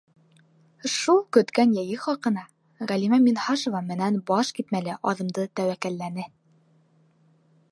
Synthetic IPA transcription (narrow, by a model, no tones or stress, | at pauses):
ʃulˠkɵ̆t̪kænjæjɘχɒqɤ̆nɑ | ʁælimæminhɑʃŏvɑmɘ̆nænbɒʃkit̪mælɘʔɒðɤ̆md̪ɤt̪æwækælːænɘ